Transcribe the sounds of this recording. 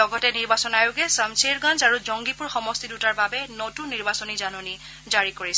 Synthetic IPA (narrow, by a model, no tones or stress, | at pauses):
ɔɡɔtɛniɹbasɔnajʊɡɛsamseɹɡãnzaɹuzɔŋɡipuɹxɔmɔstidutaɹbabɛnotunːiɹbasɔnizanɔni | zaɹikoɹis